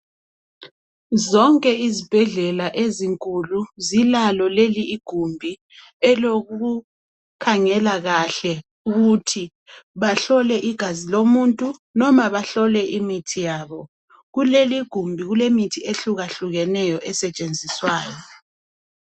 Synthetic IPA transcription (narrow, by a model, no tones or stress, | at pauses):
zɔŋkʼɛizib̥ʱɛɮɛlaʔeziŋkʼuluzilalɔleliːɡ̥ʱumbʱi | ɛloɣuu | kʰaŋɛlaɣaɬɛ | uɣutʰi | βaɬɔlɛʔiɡ̥ʱazilomuntʼunɔmaβaɬɔlɛʔimitʰijaːβɔ | ɣuleliɡ̥ʱumbʱiɣulemitʰieɬuɣaɬuɣɛnɛjɔʔɛsɛt͡ʃʼend͡zʱiswaːjɔ